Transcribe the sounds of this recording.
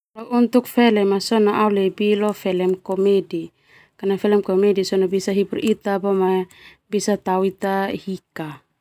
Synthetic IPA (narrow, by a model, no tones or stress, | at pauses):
lawunt̪ukfɛlɛmasɔnaʔawlebilɔfɛlɛmkɔmedi | kanafɛlɛmkomedisɔnabisaɦipurʔit̪abɔma | bisat̪awit̪ahika